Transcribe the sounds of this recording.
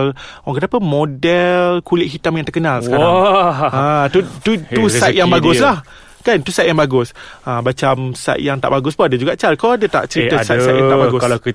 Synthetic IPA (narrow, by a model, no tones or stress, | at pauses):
lwaŋkənapəmodɛlkulɪʔ̚ɦit̪amjãŋt̪ərkənalsəkaɾ | at̪ut̪uusajt̪jaŋbaɡʊsslah | kant̪usat̚jaŋbaɡʊsʔabat͡ʃamsa̰t̪̚jaŋt̪a̰ʔbaɡʊspənadad͡ʒuɡaʔt͡ʃalkɔadat̪a̰ʔt͡ʃəɾit̪əsaaatjaŋt̪abaɡʊs